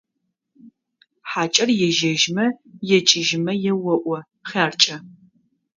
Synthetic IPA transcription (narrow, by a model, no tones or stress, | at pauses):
ħaːt͡ʃʼɐrjɛʒɐʒmɐjɛt͡ʃʼɪʒɪmɐjɛwɐʔʷɐ | χaːrt͡ʃʼɐ